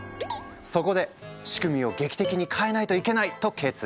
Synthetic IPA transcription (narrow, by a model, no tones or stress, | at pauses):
so̞ko̞d̪e̞ɕi̥kɯ̟mʲio̞ɡe̞kʲi̥t̪e̞kʲiɲ̟ikʰae̞nait̪o̞ike̞nait̪o̞kʰe̞ːt͡sɨ